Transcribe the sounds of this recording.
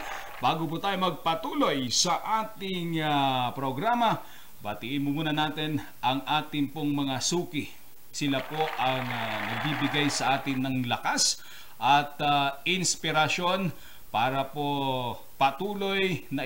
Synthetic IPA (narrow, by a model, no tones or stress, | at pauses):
b̥aːɡop̬ut̪aːjomɐɡ̚pɐt̪uːlojsɐʔaːt̪ɪŋɐpɾoɡɾaːmɐ | bɐt̪ɪʔɪnmʊmuːnɐnaːt̪ɛn | ʔɐŋʔaːt̪ɪŋpoŋmɐŋasuːkɪ | sɪlapo̞ʔɐŋnɐɡ̚bibɪɡajsɐʔaːt̪ɪnːɐŋlɐkas | ʔɐt̪ɪnspɪɾɐʃo̞n | paːɾɐpo | pɐt̪uːlo̞jnɐ